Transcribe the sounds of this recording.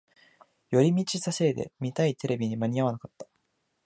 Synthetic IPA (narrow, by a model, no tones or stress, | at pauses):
jo̞ɾʲimʲit͡ɕisase̞ːd̪e̞̰mʲit̪ait̪e̞ɾe̞bʲiɲ̟imaɲ̟iaβ̞anakat̪ːḁ